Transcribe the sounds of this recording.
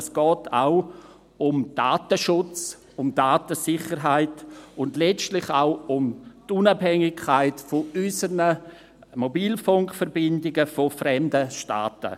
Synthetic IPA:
sɡ̥ɔːtʰa̰ʊ | ʊmd̥aːtəʃʊt͡s | ʊmd̥aːtəsɪχəɾɦaɪtʊndlɛt͡stlɪχaʊʊmtunabhɛŋɪkʰaɪtfoysənə | mobiːlfʊŋkfəɾbɪndɪɡəfofɾɛmdəʃta̰ːtə̰

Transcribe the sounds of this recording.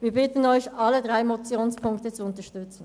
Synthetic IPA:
viːɐbɪtən̩ɔʏçɑlədʁaɪmɔt͡sjoːnspʰʊŋktət͡suʊntəʃtʏt͡sn̩

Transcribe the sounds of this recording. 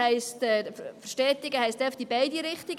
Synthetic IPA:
ɛɪstɛfəʃtɛːtɪɡəhɛɪstd̥ɛfd̥ibaɪdiɾɪχtiɡ

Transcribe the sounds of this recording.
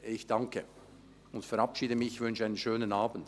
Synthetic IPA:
ɪçd̥aŋkʰə | ʊntfɛɾapʃiːdəmɪçvʏnʃəaɪnənʃøːnənaːbn̩d̥

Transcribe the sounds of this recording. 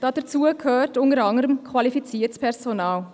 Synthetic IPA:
d̥ɑd̥ət͡suːəkʰhøːtʊnəɾɑŋəɾəmkʰvɑlifit͡siːəɾtpʰɛʁzonɑːl

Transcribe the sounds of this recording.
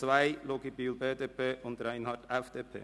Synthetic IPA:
sʋæɪlɔːkiːbyːlbeːd̪eːpʰeːʔɔnd̪ɾæɪnhɑʈɛfd̪eːpʰḛː

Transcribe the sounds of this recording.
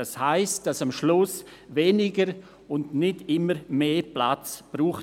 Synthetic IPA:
ashaɪst̚d̥asamʃlʊs | veːnɪɡəɾ | ʊndnɪdɪməɾmeːpla̰t͡sb̥ɾuːχ

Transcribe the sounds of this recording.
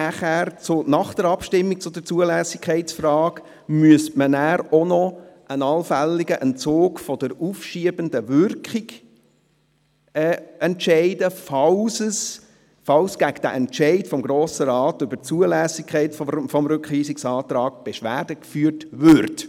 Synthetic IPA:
næχæːɾt͡sʊnɑχd̥əɾɑpʃtɪmːik̚t͡sʊdəɾt͡suəlæːsɪkʰɛɪt͡sfrɑːk | myəstmənæːɾɔnɔʔənɑlfælːiɡəʔɛnt͡soːkfɔd̥əɾufʃiəbəndəvʏrkχiɡ̥ | ɛːɛntʃɛɪdəfɑlsəs | fɑlsɡ̥æɡəd̥æ̰ʔɛntʃɛɪtfɔmɡɾoːsəɾɑːtʏb̥ət͡suəlæːsikʰχɛɪtffɔmɾʉkχiːsɪksɑːt̪ɾɑːk̚b̥eʃʋæːd̥əkfyːəɾtvʏɾt

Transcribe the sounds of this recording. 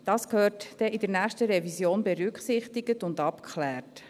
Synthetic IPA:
d̥ɑːskhøːɾtd̥ɛʔɪdəɾnæːχtəɾɛvisjoːnbɛɾʏkχsɪχt̪iɡətʊndɑpkʰχlæːɾt

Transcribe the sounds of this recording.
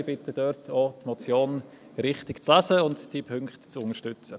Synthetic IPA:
b̥ɪtəd̥œɾtʰoːtmɔt͡sjoːn | ɾɪχtɪkt͡slasəʊntd̥ipʰʏŋktt͡sʊŋəɾʃtʏt͡sə

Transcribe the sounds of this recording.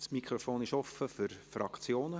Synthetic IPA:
smikχɾofoːnɪʃɔfəfʏɾfɾɑkt͡sjoːnə

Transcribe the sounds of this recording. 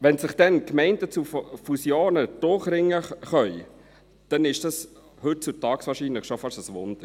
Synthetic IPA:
ʋɛnsɪχd̥ɛnkmɛɪndət͡suffusjoːnəd̥ʊχɾɪŋːəχœʏ | d̥ɛnɪʃd̥ɑs | hɵt̚t͡sutɑːksʋɑːɾʃiːnləχʃofɑʃəsʋʊnd̥̪əɾ

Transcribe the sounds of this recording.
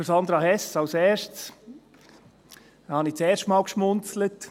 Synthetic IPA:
əsɑnd̪ɾɑhɛsɑwsɛːʃts | hɑnit͡sɛːɾʃtmɑːlkʃmʊnt͡slət

